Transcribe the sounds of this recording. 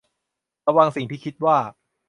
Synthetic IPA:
ɾa˧wa˧ŋsi˨˩ŋt̪ʰiː˥˩kʰi˦˥t̪̚waː˥˩

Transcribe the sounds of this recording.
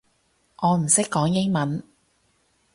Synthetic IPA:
ʔɔː˨˧m̩˨˩sɪ˥kːɔː˨˥ŋjɪ˥ŋmɐ˨˦n

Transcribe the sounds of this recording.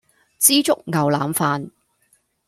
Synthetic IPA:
t͡siː˥t͡sʊ˥k̚ŋɐ˨˩wlaː˨˧mfaː˧n

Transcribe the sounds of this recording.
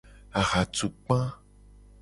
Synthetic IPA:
a˨xa˨tu˨k͡pã˦

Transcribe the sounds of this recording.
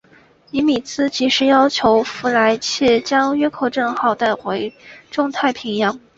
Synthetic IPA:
i˧˥mi˨˩t͡sʰɹ̩˥t͡ɕi˧˥ʂɻ̩˧˥jɑ˥ʊt͡ɕʰjo˧˥ʊfu˧˥la˧˥ɪt͡ɕʰɛ˥˩t͡ɕjɑ˥ŋɥɛ˥kʰo˨˩ʊʈ͡ʂɤ˥˩ŋxɑ˨˩ʊt̪a˥˩ɪxwe˧˥ɪʈ͡ʂʊ˥˧ŋt̪ʰa˥˩ɪpʰi˧˥ŋjɑ˧˥ŋ

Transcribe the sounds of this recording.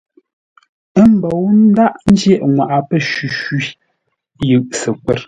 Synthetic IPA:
ə˦m̩˨bo˨wn̩˦da˦ʔn̩˦d͡ʒjɛ˦˨ʔŋwa˨ʔa˨pə˦ʃi˨ʃi˦ | jɯ˨ʔsɛ˨kwɛ˦˨ɾ

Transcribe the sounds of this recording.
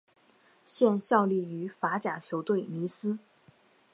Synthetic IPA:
ɕjɛ˥˧nɕjɑ˥˧ʊli˥˩y˧˥fa˧˥t͡ɕja˨˩t͡ɕʰjo˧˥ʊt̪we˥˩ɪni˧˥sɹ̩˥

